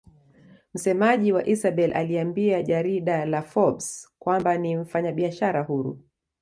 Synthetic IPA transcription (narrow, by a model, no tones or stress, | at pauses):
m̩sɛmaʄiwaʔisaɓɛlʔa̰liambiaʄaɾiɗalafɔbskwambanim̩faɲaɓiaʃaɾahuɾṵ